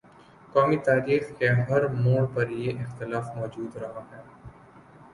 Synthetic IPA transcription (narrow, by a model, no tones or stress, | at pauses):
kɔːmit̪aːɾiːxkeɦɐɾmoːɽpɐɾjeʔɪxt̪ɪlaːfmɔːd͡ʒuːd̪ɾɐɦaɦɛː